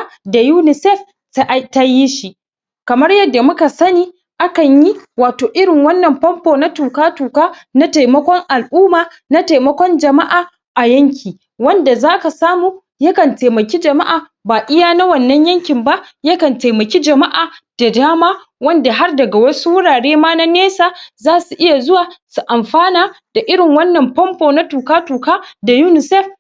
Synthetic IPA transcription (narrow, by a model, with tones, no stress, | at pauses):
da˨juː˦nɪ˨sɛ˦f | ta˦ji˦ʃi˦ʔ | kɐ˨mɐ˦rjɐ˦dːa˨mʊ˦ka˨sɐ˦niː˦ | ʔa˦kɐ˨ɲji˦waː˨toː˨ʔɪ˦ɽɪ˨ŋwɐ˦nːɐ˨mɸɐ˦mpoː˨na˦tuː˨kaː˦tuː˨kaː˦na˦ta˨jmɐ˦kʷɔ˦ŋʔa˨lʔuː˦maː˨ | na˦ta˨jmɐ˦kʷɔ˦nd͡ʒɐ˨ma˦ʔaː˨ | ʔa˨jɐ˦ŋkʲiː˨ | wɐ˦nda˨zaː˦ka˨saː˦muː˨ | jɐ˦kɐ˨nta˨mɐ˨kʲi˦d͡ʒɐ˨ma˦ʔaː˨ | baː˨ʔɪ˦jaː˦na˦wɐ˨nːɐ˦ɲjɐ˦ŋkʲɪ˨mba˦jɐ˦kɐ˨nta˨jmɐ˨kʲi˦d͡ʒɐ˨ma˦ʔaː˨d̥a˨daː˦maː˦ | wɐ˦nda˨ɦa˦rdɐ˨ɡa˨wɐ˦su˦wʊ˦ɽaː˨ɽeː˦maː˦na˦neː˦saː˨zaː˦su˨ʔɪ˦ja˨zʊ˦waː˨su˨ʔa˨mɸaː˦naː˨d̥a˨ʔɪ˦ɽɪ˨ŋwɐ˦nːɐ˨mpɔ˦mpoː˨na˦tuː˨kaː˦tuː˨kaː˦da˨juː˦nɪ˨sɛ˦f